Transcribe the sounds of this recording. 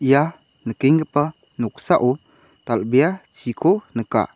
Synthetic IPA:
ja | nəkeŋəpə | nɔk̚saʔu | t̪albijat͡ʃʰikʰonəka̰

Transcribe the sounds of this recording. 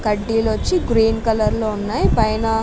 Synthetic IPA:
kɐɖːiːlʋɐt͡ʃːiɡɾiːnkɐlɐɾloːunːaːjipɐjnɐ

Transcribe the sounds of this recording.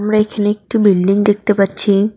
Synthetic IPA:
mɾaekʰaneek̚ʈubilɖiŋd̪ek̚t̪epaɾːɕʰi

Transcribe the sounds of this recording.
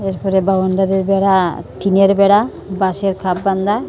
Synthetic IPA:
eɾpɔɾebabaɳɖaɾeɾbɛɽaʈʰineɾbɛɽa | baʃeɾkʰabːand̪a

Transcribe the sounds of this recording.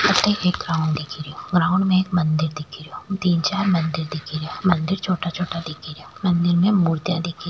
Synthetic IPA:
ɐt̪ʰːeeːk̚ɡɾaːʊ̃ɳd̪ɪkʰiɾijoɡɾaːʊ̃ɳmẽeːkmɐ̃nd̪ɪɾd̪ɪkʰiɾijot̪iːnt͡ʃaːɾmɐ̃nd̪ɪɾd̪ɪkʰiɾijomɐ̃nd̪ɪɾt͡ʃʰoːʈat͡ʃʰoːʈad̪ɪkʰiɾijoːmɐ̃nd̪ɪɾmẽmuːɾt̪jãd̪ɪkʰi

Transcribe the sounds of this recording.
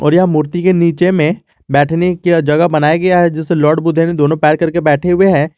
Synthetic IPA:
ɔːɾjɐɦmuːɾt̪ikeniːt͡ʃemẽ | bɛːʈʰneked͡ʒɐɡəbɐnaːjaɡɐjaɦɛd͡ʒɪselɔːɾɖbʊd̪ʱened̪oːnõpɛːɾkɐɾkebɛːʈʰeɦʊeɦɛ̃ː

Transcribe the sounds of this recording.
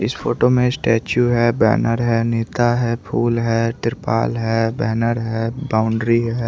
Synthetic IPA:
ɪsfʰoːʈomẽsʈɛːt͡ʃjuɦɛːbɛ̰ːnʔəɾɦɛːneːt̪aɦɛːpʰuːlɦɛːt̪ɪɾpa̰ːlɦɛːbɛːnəɾɦɛːbaːʊ̃ɳɖɾiɦɛː

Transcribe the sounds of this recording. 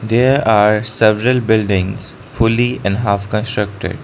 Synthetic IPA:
d̪eːɾaːɾsɛʋɾəlbɪlɖɪ̃ŋz̥ | fʊliɛ̃ɳɖɦaːfkə̃nsʈɾək̚ʈɪ̰ɖ

